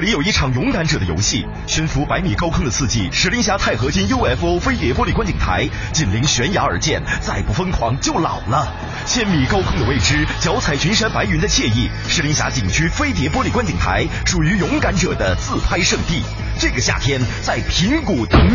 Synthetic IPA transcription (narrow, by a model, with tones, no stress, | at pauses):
ɤ˥˩li˧˥jo˨˩ʊi˥˩ʈ͡ʂʰɑ˨˩ŋjʊ˧˥ŋka˧˥nʈ͡ʂɤ˨˩d̪ə˦jo̰˧˥ɕi˥˩ | ɕɛ˧˥nfu˧˥pa˧˥ɪmi˨˩kɑ˥ʊkʰɤ˥ŋd̪ə˨t͡sʰɹ̩˥˧t͡ɕi˥˩ʂɻ̩˧˥li˧˥ŋɕ̬ja˧˥t̪ʰa˥˩ɪxɤ˧˥ɕi˥njo˥ʊɛ˧˥˩fo˥fe˥ɪt̪jɛ˧˥pwɔ˥li˨˩kwa˥nt͡ɕi˨˩ŋt̪ʰa̰˧˥ɪ | t͡ɕi˨˩nli˧˥ŋɕɥɛ˧˥njɑa˧˥ə˞˨˧˥t͡ɕjɛ̰˥˩nt͡sa˥˩ɪpu˥˩fə˥nkʰwɑ̰˧˥ŋt͡ɕjo˥˩ʊlɑ̰˨˩ʊlə˦ | ɕjɛ˥˩nmi˨˩kɑ˥ʊkʰʊ˥ŋd̪ə˧we˥˩ɪʈ͡ʂɻ̩˥t͡ɕjɑ˧˥ʊt͡sʰa˨˩ɪt͡ɕʰy˧˥nʂa˥npa˧˥ɪy˧˥nd̪ə˧t͡ɕʰjɛ˥˧i˥˩ | ʂɻ̩˧˥li˧˥ŋɕja̰˧˥t͡ɕi˨˩ŋt͡ɕʰy˥fe˥ɪt̪̬jɛ˧˥p̬wɔ˥li˨˩kwa˥nt͡ɕi˨˩ŋt̪ʰa̰˧˥ɪ | ʂu˨˩y˧˥jʊ˧˥ŋka˧˥nʈ͡ʂɤ˨˩d̪ə˦t͡sɹ̩˥˩pʰa˥ɪʂɤ˥˧ŋt̪i˥˩ | ʈ͡ʂɤ˥˩ɡə˩ɕja̰˥˧˩t̪ʰjɛ˥nt͡sa˥˩ɪpʰi˧˥ŋku˨˩t̪ɤ˧˥ŋ